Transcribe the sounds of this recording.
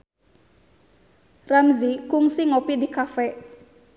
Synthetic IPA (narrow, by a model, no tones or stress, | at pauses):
ramzikʊŋsɪŋopidikafɛʔ